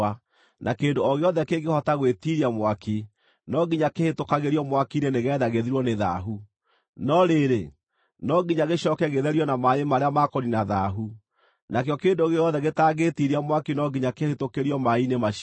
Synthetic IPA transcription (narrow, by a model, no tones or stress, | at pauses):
a | nʔakendoɔɣeɔðɛkeɡehɔtaɣwetiɾiamwaki | nɔɡiɲakehetokaɣeɾjɔmwakineneɣɛðaɣeðiɾwɔneða̰ɦu | nɔɾeɾe | nɔɡiɲaɣeɕɔːkɛɣeðɛɾjɔnamaemaɾeamakɔninaðaɦu | nakjɔkendoɣeɔðɛɣetaɣetiɾiamwakinɔɡiɲakehetokeɾiɔmainema